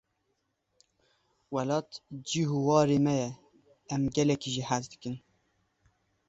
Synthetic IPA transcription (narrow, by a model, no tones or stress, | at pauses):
wɛlɑːt̪d͡ʒiɦuwɑːɾeːmɛjɛ | ɛmɡɛlɛkiʒihæzd̪ɨkɨn